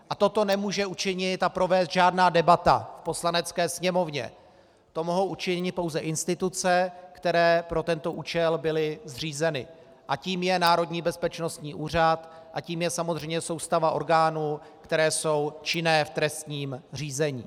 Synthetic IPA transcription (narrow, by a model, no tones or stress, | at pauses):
ʔat̪o̞t̪o̞nɛmuːʒɛut͡ʃɪɲɪt̪apɾo̞vɛːst̪ʒaːdnaːdɛbat̪a̰fpo̞slanɛt͡skɛːsɲɛmo̞vɲɛ̰ | t̪o̞mo̞ɦo̞wʔut͡ʃɪɲɪt̪̚po̞wzɛʔɪnst̪ɪt̪ut͡sɛkt̪ɛɾɛːpɾo̞t̪ɛnt̪o̞ʔuːt͡ʃɛlbɪlɪzr̝iːzɛnɪ̰ | ʔaciːmjɛnaːɾo̞dɲiːbɛspɛt͡ʃno̞st̪ɲiːʔuːr̝at̪ | ʔaciːmjɛsamozr̝ɛjɲɛso̞wst̪avaʔo̞̰ɾɡaːnuː | kt̪ɛɾɛːso̞wt͡ʃɪnɛːft̪ɾɛst̪ɲiːmr̝iːzɛɲḭː